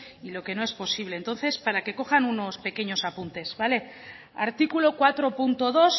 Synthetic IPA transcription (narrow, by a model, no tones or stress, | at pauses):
ilo̞ke̞no̞e̞spo̞siβleːnt̪o̞nθe̞spaɾake̞ko̞xanuno̞spe̞ke̞ɲo̞sapunt̪e̞zβale̞ | aɾt̪ikulo̞kwat̪ɾo̞punt̪o̞ðo̞s